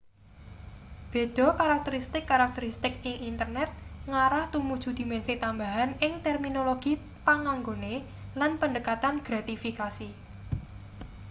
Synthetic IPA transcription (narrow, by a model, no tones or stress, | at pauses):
b̥e̤d̪̥ɔ̤kaɾak̚t̪əɾist̪ɪkːaɾak̚t̪əɾist̪ɪk̚ɪŋʔint̪ərnɛt̪̚ŋaɾaht̪umud̥ʒ̥ṳd̪̥i̤mɛnsit̪ambaɦanɪŋt̪ɛrminoloɡ̥i | paŋaŋɡone | lanpəɳdəkat̪anɡ̥ɾat̪ifikasi